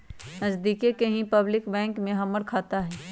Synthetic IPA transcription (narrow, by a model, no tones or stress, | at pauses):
nɐzd̪iːkekɐɦĩpɐblɪkbɛ̃ːŋkmẽɦɐməɽkʰaːt̪aɦɛː